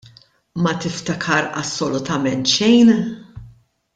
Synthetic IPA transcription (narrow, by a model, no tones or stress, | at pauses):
mɐt̪ɪft̪ɐkʰɐɾɐsːɔlʊt̪ɐmɛnt̪ʃɛjn